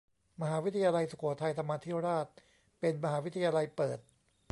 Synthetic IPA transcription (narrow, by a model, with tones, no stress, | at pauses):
ma˧ɦaː˩˦wi˦˥t̪ʰa˧jaː˧la˧jsu˨˩kʰu˨˩˦t̪ʰa˧jt̪ʰa˧mːaː˧t̪ʰiː˥˩wɾaː˥˩t̪̚ | pe˧nma˧ɦaː˩˦wi˦˥t̪ʰa˧jaː˧la˧jpɤː˨˩t̪̚